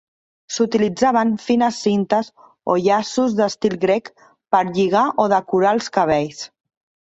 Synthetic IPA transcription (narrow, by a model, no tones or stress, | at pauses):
sut̪ilid͡zaβ̞əɱfinəsːint̪əz | o̰ʎasuzðəst̪ilˠɣɾek | pəɾʎiɣ̞aʔoðəkuɾalˠskəβ̞ejs